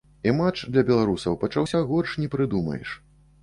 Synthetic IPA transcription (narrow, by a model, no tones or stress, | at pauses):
imat͡ʂd̪lʲɐbʲɛlˠaɾusɐwpɐt͡ʂawsʲaɣɔʂnʲɛpɾɨd̪umɐ̰jɛ̰ʂ